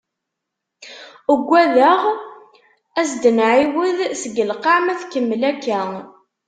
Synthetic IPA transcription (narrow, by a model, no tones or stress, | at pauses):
əɡʷːæðæʁ | æsd̪ənʕiwəðsəɡəlqɑʕmæθkəmːlækːæ